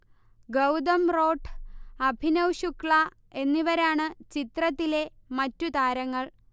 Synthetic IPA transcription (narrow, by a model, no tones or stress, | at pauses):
ɡɐwd̪ɐmro̞ːʈʰɐbʱinɐwɕukɭɐ | e̞nːiʋɐɾaːɳɨt͡ɕit̪rɐt̪ːile̞mɐtːut̪aːɾɐŋːɐɭ